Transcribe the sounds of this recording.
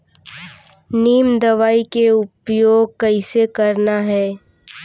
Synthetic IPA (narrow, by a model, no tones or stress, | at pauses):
niːmd̪ɐʋaːikeʊpjoːɡkɐɪsekɐɾnaɦɛː